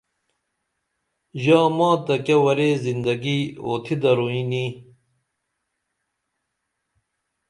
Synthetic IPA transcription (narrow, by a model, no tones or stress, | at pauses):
ʑaːmãːt̪ɐkewɐɾezind̪ɐɡiːoːt̪ʰid̪ɐɾuini